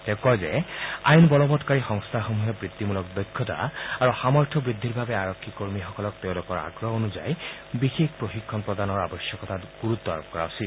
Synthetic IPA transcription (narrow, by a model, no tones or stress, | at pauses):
tɛ̃kɔjzɛ̰a̰jnbɔlɔbɔtkaɹixɔŋst̪ʰaxomuɦɛbɹit̪ːimulɔkdɔjkʰːɔta̰aɹuxamɔɹtʰɔbɹid̪ʱːiɹbabɛaɹɔkʰːikoɹmixɔkɔlɔk̚teʊ̃lʊkɔɹa̰ɡɹɔonuza̰j | bixekpɹoxikʰːɔnpɹɔdanɔɹa̰bɔsjɔkɔtʰatɡuɹut̪ːɔa̰ɹɔp̚kɔɹa̰ʊsil